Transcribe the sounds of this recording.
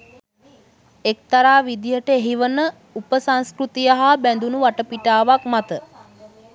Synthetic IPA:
ek̚t̪aɾaːʋid̪ijəʈəeɦiʋənə | upəsanskɾut̪ijəɦabænd̪unuʋaʈəpiʈaːʋakmat̪ə

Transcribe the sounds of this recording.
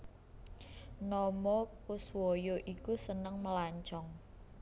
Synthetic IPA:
nɔmɔkʊswɔjoʔikusənəŋməlaɲt͡ʃɔŋ

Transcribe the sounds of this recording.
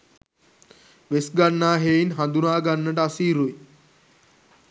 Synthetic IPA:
ʋesɡanːaːɦeinɦand̪unaːɡanːəʈəasiːɾui

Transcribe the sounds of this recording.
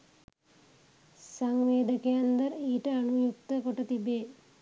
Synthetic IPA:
saŋʋeːd̪əkejand̪ɐɾiːʈəanujuk̚t̪əkoʈət̪ibeː

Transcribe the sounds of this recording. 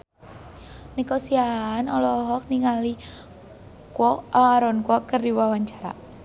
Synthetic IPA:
nikɔsiaːnɔlɔɦɔk̚niŋali | kwɔaaɾɔnkwɔkərdiwawaɲt͡ʃaɾa̰

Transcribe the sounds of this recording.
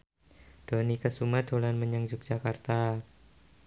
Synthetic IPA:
d̥onikəsumad̪̥olanməɲaŋd͡ʒʊk̚dd͡ʒ̥akart̪a

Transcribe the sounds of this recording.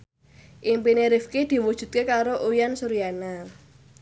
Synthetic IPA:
ʔimpineɾifked̪̥i̤wud̥ʒ̥ṳt̪̚kekaɾoʔujansuɾijana

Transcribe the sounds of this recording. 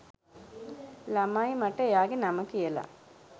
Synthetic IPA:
lɐmaːjimɐʈːɐjaːɡenɐmɐkijɐlɐ̰

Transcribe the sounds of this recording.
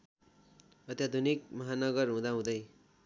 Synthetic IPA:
ʌt̪jad̪ʱunik̚mʌɦanʌɡʌrɦũd̪aɦũd̪ʌj

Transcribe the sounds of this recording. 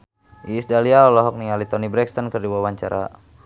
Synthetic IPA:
ʔiːsdaliaɔlɔɦɔk̚niŋalit̪ɔnibɾɛkst̪ɔnkərdiwawaɲt͡ʃaɾa̰

